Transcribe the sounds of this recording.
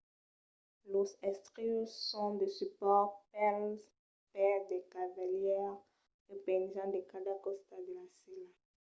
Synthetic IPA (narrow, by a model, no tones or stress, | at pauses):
lozɛst̪ʁisɔ̃d̪əsypɔʁpɛlz | pɛʁd̪ekavaljɛʁ | epɛ̃nʒɑ̃d̪ekad̪akɔst̪ad̪əlasila